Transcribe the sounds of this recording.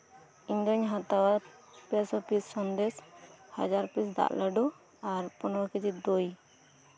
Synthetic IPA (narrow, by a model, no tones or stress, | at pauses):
iŋɡəɲɦat̪awaɾpɛsɔpisːɔnd̪ɛshad͡ʒaɾpisd̪a̰ʔləɖɔ | aɾpɔnɔwɔkid͡ʒid̪oj